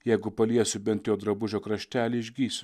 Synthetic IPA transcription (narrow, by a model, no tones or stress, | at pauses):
jɛɪɡʊpɐlʲiɛsʲʊbʲɛnt̪ʲjoːd̪ɾɐbʊʒʲoːkɾɐʃʲt̪ʲæːlʲɪɪʒʲɡʲiːsʲʊ